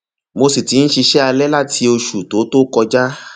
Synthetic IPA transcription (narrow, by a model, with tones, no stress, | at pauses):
mo˧si˨ti˨˧˦ñ̩˦ʃi˧ʃɛ˦a˧lɛ˦la˦tʰi˧o˧ʃu˨to˨˦to˦kɔ˧d͡ʒa˦